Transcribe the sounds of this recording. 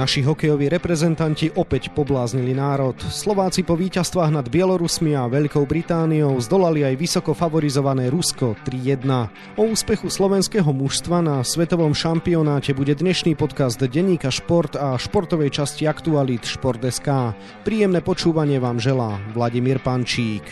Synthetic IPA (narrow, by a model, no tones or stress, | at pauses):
naʃiɦɔkɛjɔʋiːɾɛpɾɛzɛnt̪anciʔɔpɛcpɔblaːzɲilinaːɾɔt̪slɔʋaːt͡sipɔʋiːcast̪ʋaːɣnad̪bɪɛlɔɾusmiaʋɛʎkɔʊbɾit̪aːniɔʊzd̪ɔlaliajʋisɔkɔfaʋɔɾizɔʋanɛːɾuskɔt̪ɾijɛd̪na | ɔuːspɛxuslɔʋɛnskɛːɦɔmuʃst̪ʋanasʋɛt̪ɔʋɔmʃampiɔnaːcɛbuɟɛd̪ɲɛʃniːpɔt̪kazd̪ɟɛɲiːkaʃpɔɾt̪aʃpɔɾt̪ɔʋɛjt͡ʃasciakt̪ualit̪ʃpɔɾt̪ɛskaː | pɾiːjɛmnɛːpɔt͡ʃuːʋaɲɪɛʋaːmʒɛlaːʋlaɟimiːɾpant͡ʃiːk